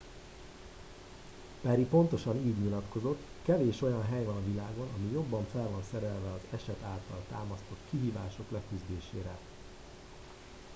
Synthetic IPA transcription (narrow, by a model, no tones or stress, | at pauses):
pɛɾipo̞nt̪o̞ʃɒniːɟɲilɒt̪ko̞zo̞t̪ː | kɛveːʃo̞jɒnɦɛjvɒnɒvilaːɡo̞nɒmijo̞bːɒɱfɛlvɒnsɛɾɛlvɛɒzɛʃɛt̪aːlt̪ɒlt̪aːmɒst̪o̞t̪kiɦiːvaːʃo̞klɛkyzd̪eːʃḛːɾɛ